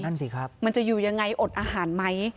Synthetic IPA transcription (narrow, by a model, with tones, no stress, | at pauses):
a˥˩nsiː˨˩kʰɾa˦˥p̚ma˧nt͡ɕa˨˩juː˨˩ja˧ŋːa˧jʔo˨˩t̪̚ʔaː˧ɦaː˩˦nma˦˥j